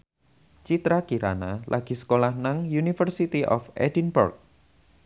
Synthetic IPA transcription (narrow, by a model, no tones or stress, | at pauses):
t͡ʃit̪ɾakiɾa̰nalʔaɡ̥i̤sə̥kolahnaŋjunifərsit̪iʔɔfɛ̰dinbṵrk̚